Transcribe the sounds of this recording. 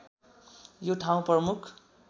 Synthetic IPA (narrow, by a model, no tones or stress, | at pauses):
joʈʰaw̃prʌmukʰ